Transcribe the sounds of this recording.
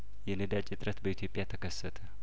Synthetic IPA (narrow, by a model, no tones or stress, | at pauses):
jɛnəd̪at͡ʃʼːɪt̪ʼɾət̪bəit̪ʰjo̞pʼjat̪ʰəkʰəsːət̪ʰə